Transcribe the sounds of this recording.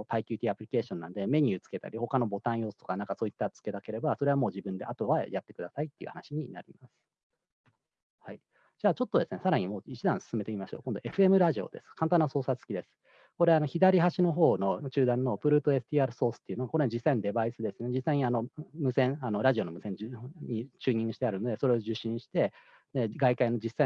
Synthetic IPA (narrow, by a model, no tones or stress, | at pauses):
p̪aikʲiɨːt̪ʲiapɯ̟ɾʲike̞ːɕõ̞nːã̰nd̪e̞me̞ɲ̟ʲɯ̟ːt͡sɨ̥ke̞t̪a̰ɾʲiho̞kano̞bo̞t̪ãɰ̃jo̞ːsɨ̥t̪o̞kanãŋkaso̞ːit̪ːat͡sɨ̥ke̞d̪ake̞ɾe̞baso̞ɾe̞amo̞ːʑibɯ̟̃nd̪e̞ʔat̪o̞βajat̪ːe̞kɯ̟d̪asait̪ːe̞iɯ̟hanaɕiɲ̟ina̰ɾʲimasɨ̥ | hai | d͡ʑaːt͡ɕo̞t̪ːo̞d̪e̞sɨne̞saɾaɲ̟imoːit͡ɕid̪ãɰ̃sɨ̥sɨme̞t̪eimaɕoːkõnd̪o̞e̞ɸɯ̟e̞mɯ̟ɾaʑio̞̰d̪e̞sɨ̥kãnt̪̬ãnːaso̞ːsat͡sɨ̥kʲid̪e̞sɨ̥ | ko̞ɾe̞ano̞çid̪aɾʲiɦaɕino̞ɦo̞ːno̞t͡ɕɨːd̪ãnːo̞pɯ̟ɾɯ̟ːt̪o̞e̞sɯ̥t̪ʲiaːɾɯ̟so̞ːsɨ̥t̪ːeiɯ̟noako̞ɾe̞d͡ʑisːainod̪e̞baisɨd̪e̞sɨned͡ʑisːaiɲ̟iano̞mɯ̟sẽ̞ɴano̞ɾaʑio̞nomɯ̟sẽ̞ɲ̟d͡ʑɲ̟it͡ɕɨːɲ̟ĩŋɡɯ̟ɕi̥t̪eaɾɯ̟no̞d̪e̞so̞ɾe̞o̞ʑɨɕːĩɕi̥t̪e̞ | eɡaikaino̞d͡ʑisa